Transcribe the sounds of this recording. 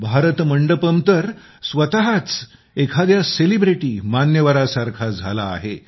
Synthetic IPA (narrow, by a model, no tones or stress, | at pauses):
bʱaɾət̪məɳɖəpəmt̪əɾ | sʋət̪aɦat͡s | ekʰad̪jaselibɾiʈiːmanjəʋaɾasaɾkʰad͡zʱa̰la̰ːɦe